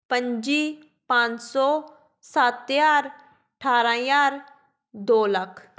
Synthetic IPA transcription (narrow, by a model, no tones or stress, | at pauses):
pə̃ɲd͡ʒiː | pãːt͡ʃsɔː | sat̪jaːɾ | əʈʰaːɾajaːɾ | d̪oːləkʰ